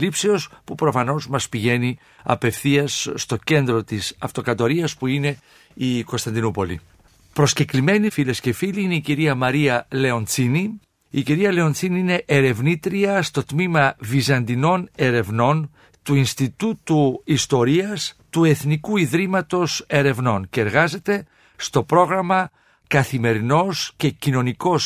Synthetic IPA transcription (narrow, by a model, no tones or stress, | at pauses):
lipseo̞spupɾo̞fɐno̞zmɐspiʝe̞ni | ɐ̰pe̞fθiɐsːt̪o̞ce̞nd̪ɾo̞t̪isɐ̰ft̪o̞kɐt̪o̞ɾiɐspuine̞ | iko̞st̪ɐnd̪inupo̞lḭ | pɾo̞sce̞klime̞nifilesce̞filiineiciɾiɐmɐɾiɐle̞o̞nt͡sini | iciɾiɐle̞o̞nt͡siniine̞ʔeɾe̞vnit̪ɾiɐst̪o̞t̪mimɐvizɐnd̪ino̞ne̞ɾe̞vno̞n | t̪uinst̪it̪ut̪uist̪o̞ɾiɐst̪ue̞θnikuiðɾimɐt̪o̞se̞ɾe̞vno̞nce̞ːɾɣɐze̞t̪e̞ | st̪o̞pɾo̞ɣɾɐmɐ | kɐθime̞ɾino̞sce̞cino̞niko̞s